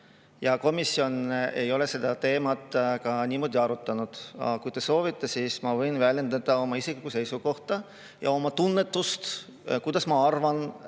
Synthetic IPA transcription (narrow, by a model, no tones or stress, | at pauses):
jɑko̞misjo̞ne̞jo̞le̞se̞d̪̥ɑt̪e̞ːmɑt̪ːˑkɑnʲiːmo̞ːd̪ʲiɑɾut̪ːˑɑnud̪̥ɑ̰kujt̪e̞so̞ːvit̪ːˑesismɑvɤjnvælʲje̞nd̪ɑd̪̥ɑo̞mɑisiklikːuse̞jsuko̞ht̪ɑ | jɑ̰o̞mɑt̪unːet̪ˑːust̪ | kujd̪̥ɑsmɑɑrvɑn